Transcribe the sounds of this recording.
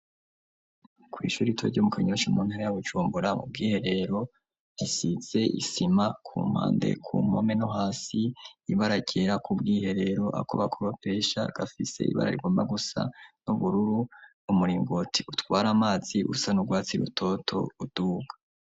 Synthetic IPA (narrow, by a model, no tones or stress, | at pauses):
kwḭːʃuːɾitʰo̰ɾɟomukʰeɲoʃumuːnhaɾajaβud͡ʒuːmbuɾamṵb̚ɡiːhe̞ɾe̞ɾo̞ | isit͡se̞ʔḭsimakʰṵːm̥ha̰ːndḛkʰṵːmo̰me̞noɦaːsiːβaɾaɟeːɾakubɡiːhe̞ɾe̞ɾo̞ʔa̰ko̰βakʰoɾope̞ːʃa̰ɡ̥afise̞̰ḭβa̰ɾa̰ɾḭɡoːmbaɡusa̰nuβuɾuɾunumuɾiːŋɡotʰiutwaːɾamaːz̥iʔṵsanuɡwaːt͡siɾṵtʰo̞tʰo̰ud̥uːɡḁ